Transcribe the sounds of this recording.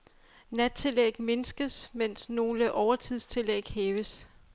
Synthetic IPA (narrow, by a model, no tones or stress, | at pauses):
næd̥̚t͡sʰe̝leɡ̥me̝nsɡ̥əsmen̰sno̝ːləʔɒʊɐt͡sʰið̞̰ˠst͡sʰe̝lḛɡ̥heːʋəs